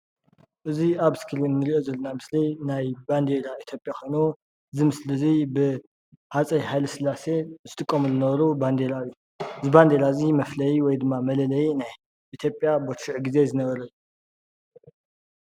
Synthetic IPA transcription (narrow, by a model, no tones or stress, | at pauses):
ʔɨziaβskʰɨlinːɨɾiʔo̞zɐlːonamɨslinajband̪elait̪ʰjo̞pʼjaxʰo̞jnu | ɨzimɨslɨzibɨ | hat͡sʼɐjɦajlɨsɨlase̞zɨt̪ʰʼɨkʼːomuzɨnɐβɐɾuband̪elaɨjːu | ɨziband̪e̞lazimɐflɐjiwɔjd̪ɨmːamɐlɐlɐjinaj | ʔit̪ʰjo̞pʼjabot̪ʃiʕɡize̞zɨnɐβɐɾɐlu